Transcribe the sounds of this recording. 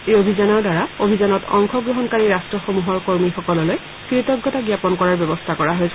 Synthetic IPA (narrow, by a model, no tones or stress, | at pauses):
ejobʱizanɔɹdaɹaobʱizanɔtʰɔ̰ŋxɔɡɹoɦɔnkaɹiɹastɹɔxomuɦɔɹkoɹmixɔkɔlɔloj | kɹitɔɡːɔtaɡjapɔnkɔɹaɹbjɔbɔstʰakɔɹaɦojsʰ